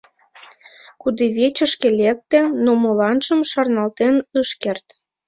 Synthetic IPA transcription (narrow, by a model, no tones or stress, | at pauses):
kud̪eβet͡ɕə̆ʃkelek̚t̪ĕnomolɑnʃə̆mʃɑrnɑlt̪enəʃkert̪